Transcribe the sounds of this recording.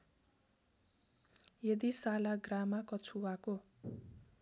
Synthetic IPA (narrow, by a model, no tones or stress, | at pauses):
jʌd̪isalaɡramakʌt͡sʰuwako